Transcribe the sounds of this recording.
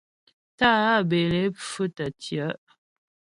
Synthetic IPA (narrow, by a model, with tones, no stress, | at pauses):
ta˦˨a˦˨be˨le˨˦fʉ˦tə˨tjə˨˦ʔ